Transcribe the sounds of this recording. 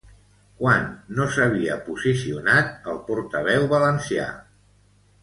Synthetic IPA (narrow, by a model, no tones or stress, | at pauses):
kwanːosəβ̞iə̰puzisiunat̪̚əlˠpuɾt̪əβɛwβələnsia̰